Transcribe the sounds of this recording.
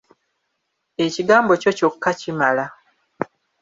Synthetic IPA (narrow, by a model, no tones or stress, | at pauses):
e̞ciɡaːmbo̞co̞co̞kːacimala